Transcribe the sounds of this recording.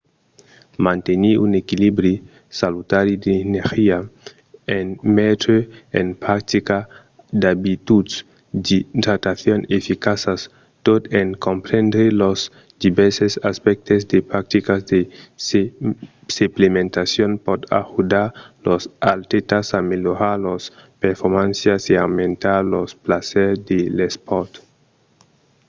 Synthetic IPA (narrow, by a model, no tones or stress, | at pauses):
mãnt̪eniunekilibɾi | salut̪aɾid̪eːneɾxia | enmet̪ɾeḛnpɾak̚t̪ika | d̪abit̪ud̪ | dit̪ɾat̪aθjonefikasas | t̪ot̪eŋkompɾend̪ɾelos | d̪̥ibɛɾsesaspɛk̚t̪ezd̪epɾak̚t̪ikazd̪es | seplemẽnt̪asjonpɔt̪a̰xud̪aɾlosalt̪et̪asameloɾaɾlospeɾfoɾmãnsjasiawmẽnt̪aɾlosplasɛɾd̪elespɔɾt̪